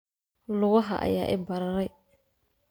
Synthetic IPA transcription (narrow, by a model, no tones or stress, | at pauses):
lʊɣɔɦa̰ʔa̰ja̰ːʔɪbaɾaɾɛj